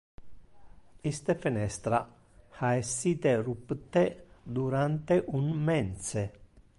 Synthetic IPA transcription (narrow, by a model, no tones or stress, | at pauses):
ist̪əfɪnɛst̪ɾa | hɑːesit̪əɾupət̪əd̪uɾant̪əʔunmɛnsə